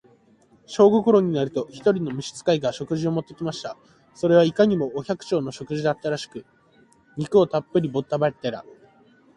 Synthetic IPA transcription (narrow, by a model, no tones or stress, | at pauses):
ɕo̞ːɡoko̞ɾo̞ɲ̟inaɾɯ̟t̪o̞çi̥t̪o̞ɾʲino̞mʲiɕi̥t͡sɨ̥kaiɡaɕo̞kɯ̟ʑio̞mo̞t̪ːe̞kʲimaɕi̥t̪a | so̞ɾe̞β̞aikaɲ̟imo̞ːçʲakɯ̟̥t͡ɕo̞ːno̞ɕo̞kɯ̟ʑid̪at̪ːaɾaɕi̥kɯ̟ | ɲ̟ikɯ̟o̞t̪apːɯ̟ɾʲibo̞t̪ːabat̪ːeɾa̰